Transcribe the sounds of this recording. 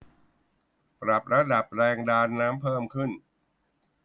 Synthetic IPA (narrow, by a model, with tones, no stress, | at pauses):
pɾa˨˩p̚ɾa˧da˨˩p̚ɾɛː˧ŋdaː˧nːaː˦˥mpʰɤː˥˩mkʰɯ˥˩n